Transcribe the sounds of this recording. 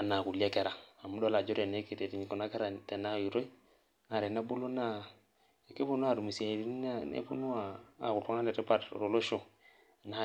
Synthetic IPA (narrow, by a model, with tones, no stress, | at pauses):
a˨na˨ku˨la˦ke˦ɾa˨a˨mu˦do˦la˨d͡ʒo˦ɾe˨ne˦ke˨te˨ti˨ɲi˨ko˨na˦ke˦ɾa˨te˨na˦˨ju˨ɾo˦i˦ | ŋa˨ɾe˨na˦bu˦lo˦na˦ | e˨ke˦bu˦nu˦a˦˨ɾu˨mi˨se˨ɾi˦n˦a˦ḛ˦pu˦nu˦a˨a̰˨ku˨tu˦ŋa˦le˨ɾi˦pa˦tɾo˨lo˦ʃo˨ | na˦